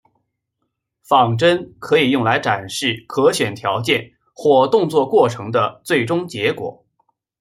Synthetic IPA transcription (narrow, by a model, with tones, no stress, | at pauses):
fɑ˨˩ŋʈ͡ʂə˥nkʰɤ˧˥i˨˩jʊ˥˩ŋla˧˥ɪʈ͡ʂa˨˩nʂɻ̩˥˩kʰɤ˧˥ɕɥɛ˨˩nt̪ʰjɑ˧˥ʊt͡ɕjɛ˥˧n | xwɔ˥˧t̪ʊ˥˧ŋt͡swɔ˥˧kwɔ˥˩ʈ͡ʂʰɤ˧˥ŋd̪ə˧t͡swe˥˩ɪʈ͡ʂʊ˥ŋt͡ɕjɛ˧˥kwɔ̰˨˩˦